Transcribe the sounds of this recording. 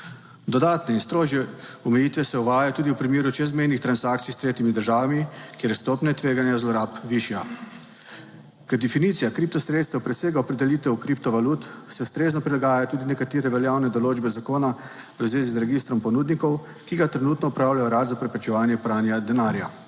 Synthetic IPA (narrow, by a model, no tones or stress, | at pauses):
d̪ɔd̪aːt̪nɛinst̪ɾoːʒjɛɔmɛjiːt̪ʋɛsɛɔʋaːjat̪uːd̪iwpɾimeːɾut͡ʃɛzmɛjnixt̪ɾansakt̪sijst̪ɾeːt̪imid̪əɾʒaːʋamikʲeːɾjɛst̪oːpnɛt̪ʋeːɡanjazlɔɾaːpʋiʃja | kɛd̪ɛfinit̪sijakɾip̚t̪ɔsɾeːt̪st̪ɛwpɾɛseːɡaɔpɾɛd̪ɛliːt̪ɛwkɾip̚t̪ɔʋaluːt̪sɛust̪ɾeːznɔpɾilaɡaːjat̪uːd̪inɛkat̪iːɾɛʋɛljaːwnɛd̪ɔloːd͡ʒbɛzakoːna | ʋəzʋeːzizɾɛɡist̪ɾɔmpɔnuːd̪nikɔw | kiɡat̪ɾɛnut̪nɔupɾawlajɔɾaːt̪zapɾɛpɾɛt͡ʃɛʋaːnjɛpɾaːnjad̪ɛnaːɾja̰